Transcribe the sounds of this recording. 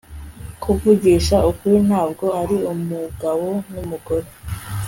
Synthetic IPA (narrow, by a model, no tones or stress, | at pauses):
kʰuvuɡiːʃaʔukuɾin̥aːbɡo̞aɾiumuɡawo̞numuɡo̞ɾe